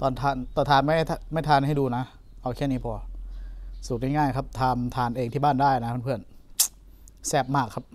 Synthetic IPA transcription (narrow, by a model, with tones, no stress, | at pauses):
t̪ɔː˧nt̪ʰaː˧nt̪ɔː˧nt̪ʰaː˧nma˥˩˨a˧ma˥˩jt̪ʰaː˧nha˥˩jduː˧na˦˥ | ʔa˧wkʰi˥˩˨niː˦˥˩pʰɔː˧ | suː˨˩k̚ŋa˥˩ŋaː˥˩jkʰa˦˥p̚t̪ʰaː˧mt̪ʰaː˧nʔeː˧ŋt̪ʰiː˥˩baː˥˩ndaː˥˩jna˦˥pʰa˧˩npʰɯ˥˩ən | sɛː˦˥˩p̚maː˥˩kʰːa˦˥p̚